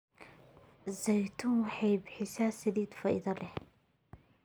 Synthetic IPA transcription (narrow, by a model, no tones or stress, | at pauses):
zɐjt̪ʰʊwɑħɑjbɪħɪsasɛðiːt̪fɑʔɪ̰ðɐlɛh